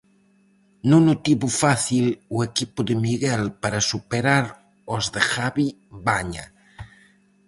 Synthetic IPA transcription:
nunut̪iβufaθiluekipuðemiɣɛlpaɾasupeɾaɾ | ozðexaβi | βaɲa̰

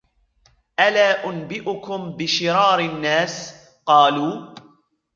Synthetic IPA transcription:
ʔalaːʔʊnbɪʔʊkʊmbɪʃɪɾɑːɾɪnːaːs | qɑːluː

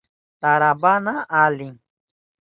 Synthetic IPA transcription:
t̪aɾabanaaliŋ

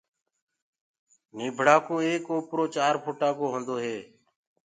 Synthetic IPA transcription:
niːbʱɽaːkoːeːkoːpɾoːt͡ʃaːɾpʰoːʈãːkoːɦõːnd̪oːɦeː

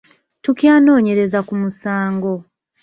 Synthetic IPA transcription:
tucjaːno̞ːɲe̞ɾe̞zakumusaːŋɡo̞

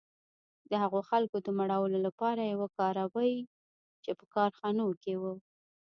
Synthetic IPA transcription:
d̪əhaɣoxalkod̪əmaɽɑwəlolapɑɾajawakɑɾawəj | t͡ʃepəkɑɾxɑnokewə

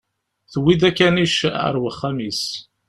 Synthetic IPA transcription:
θəwid̪ækːæniʃə̰ɾwəχːamis

